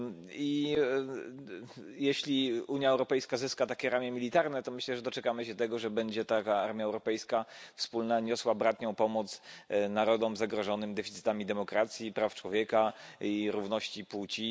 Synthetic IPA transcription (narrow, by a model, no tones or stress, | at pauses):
i | jeɕlʲiuɲjaɛwɾɔpɛjskazɘskat̪akʲɛɾamʲjɛmʲilʲit̪aɾnɛt̪ɔmɘɕlɛʐɛd̪ɔt͡ʂɛkamɘɕɛt̪ɛɡɔʐɛbɛɲd͡ʑɛt̪akaaɾmʲjaɛwɾɔpɛjskafspulnaɲɔswaɔbɾat̪ɲɔ̃w̃pɔmɔt̪snaɾɔd̪ɔmzaɡɾɔʐɔnɘmd̪ɛfʲit̪sɘ̥t̪amʲid̪ɛmɔkɾat̪sʲjipɾaft͡ʂwɔvʲjɛkaiɾuvnɔɕt͡ɕiput͡ɕi